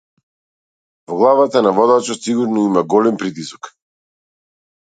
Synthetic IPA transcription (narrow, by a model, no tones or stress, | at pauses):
vɔɡlˠavat̪anavɔd̪at͡ʃɔt̪siɡuɾnɔimaɡɔlɛmpɾit̪̬isɔ̥k